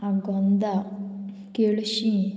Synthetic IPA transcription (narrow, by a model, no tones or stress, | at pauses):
aɡɔnd̪a | kelɕiĩ